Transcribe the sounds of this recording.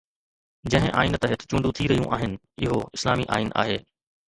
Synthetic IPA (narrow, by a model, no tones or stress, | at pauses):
d͡ʑɐ̃ɦɪ̃ʔa̰ːinət̪ɦɪt̪ʰɪ̥t͡ɕũːɳɖ̪ũt̪ʰiɾɐɦijṵ̃ʔaːɦɪnɪ̆ | ɪɦoɪslaːmiʔa̰ːɪnʔa̰ːɦeː